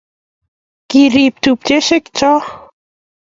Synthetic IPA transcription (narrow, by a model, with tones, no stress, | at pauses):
kiɾi˨p̚t̪u˨p̚t͡ʃe˦ʃɪ˦kt͡ʃɔ˦